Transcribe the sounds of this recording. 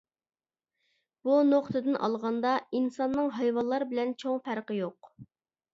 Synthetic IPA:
b̥unoqt̪ɨd̪ɨnʔɑ̰lˠʁɑnd̪ɑinsɑnːɨŋɦɑjwɑnlˠːɑɾbɪlɛnt͡ʃʰoŋfæɾqəjoq̚

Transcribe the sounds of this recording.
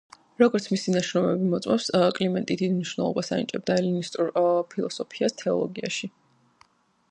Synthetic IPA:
ɾɔɡɔɾt̪sʰmisinaʃɾɔmɛbimɔt̪sʼmɛpskʼlimɛnt̪ʼid̪id̪imniʃvnɛ̰lˠɔ̰basa̰nḭt͡ʃʼɛb̚d̪aɛlinist̪ʼuɾpʰilˠɔsɔpʰiast̪ʰɛɔ̰lˠɔɡia̰ʃi

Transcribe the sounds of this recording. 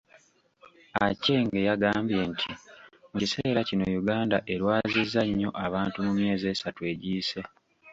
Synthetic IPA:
ace̞ŋɡe̞jaɡaːmbje̞ntʰimucise̞ːɾacino̞̰juɡaːndaʔe̞ɾwaːzizːaɲːo̞ʔaβaːntumumje̞ːze̞ːsatue̞ɟiːse̞

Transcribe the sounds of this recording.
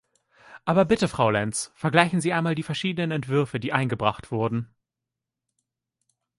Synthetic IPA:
ʔaːbɐbɪtəfʁ̥aʊlɛnsfɛɐɡlaɪçn̩ziːʔaɪnmaːldiːfɛɐʃiːdənənɛntv̥ʏɐfədiːʔaɪnɡəbʁa̰χtv̥ʊɐdn̩

